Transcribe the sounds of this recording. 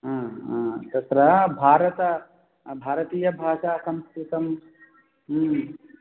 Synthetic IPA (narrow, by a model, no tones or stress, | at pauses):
ɦãːɦãːt̪ɐt̪ɾɐbʱaːɾət̪ɐ | bʱaːɾət̪iːjɐbʱaːʃaːsɐ̃mst̪ɾit̪ɐm | ɦ